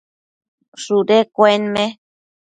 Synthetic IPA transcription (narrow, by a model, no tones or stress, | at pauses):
ʂuɾekʷoenmẽ